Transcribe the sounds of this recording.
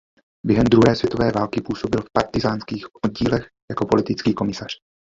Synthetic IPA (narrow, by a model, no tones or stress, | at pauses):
bjɛɦɛmd̪ɾuɦɛːsvjɛt̪o̞vɛːvaːlkɪpuːso̞bɪlfpaɾt̪ɪzaːnskiːxʔod̪̚ɟiːlɛx | jakopo̞lɪt̪ɪt͡skiːko̞mɪsar̥